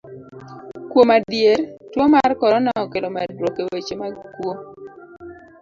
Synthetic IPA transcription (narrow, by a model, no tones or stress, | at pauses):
kwomadjeɾtwomarkɔɾɔnaɔkelomɛdwokewet͡ʃemakwo